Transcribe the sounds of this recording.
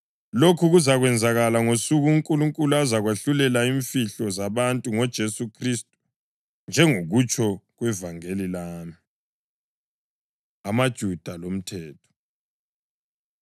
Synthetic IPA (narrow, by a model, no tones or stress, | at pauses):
lokʰuɣuzaɣwɛnd͡zʱaɣalaŋosuɣuŋkʼuluŋkʼuluazaɣweɬulɛlaiɱfiɬɔzaβantʼuŋɔd̥ʒ̥ʱesukʰristʼu̥ | nd͡ʒʱɛŋoɣut͡ʃʼʰɔɣwɛvaŋelilaːmi | amad̥ʒ̥ʱud̥ʱalom̩tʰɛːtʰɔ̥